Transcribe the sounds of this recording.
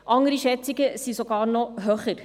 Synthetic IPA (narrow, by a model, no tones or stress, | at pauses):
ʔɑŋəɾiʃɛt͡sɪɡəsisoɡɑːɾnɔɦøːχəɾ